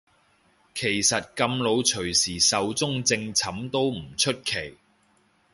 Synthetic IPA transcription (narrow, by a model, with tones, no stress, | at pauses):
kʰe˨˩jsɐ˨t̚kɐ˧mlo˨˧wt͡ʃʰɵ˨˩ɥsiː˨˩sɐ˨˧wt͡sʊ˥ŋt͡sɪ˧ŋt͡sʰɐ˨˥mt̪o˥wm̩˨˩t͡ʃʰɵ˥t̚kʰe˨˩j